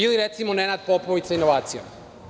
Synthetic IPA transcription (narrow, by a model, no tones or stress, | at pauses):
iliɾet̪simonenad̪̚poploʋit̪sainoʋaːt̪sijom